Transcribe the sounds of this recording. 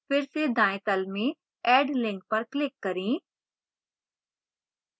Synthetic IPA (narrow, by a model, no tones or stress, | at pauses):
pʰɪɾsed̪ãːẽt̪əlmẽː | ɛːɖlɪ̃ŋk̚pəɾklɪkːəɾĩː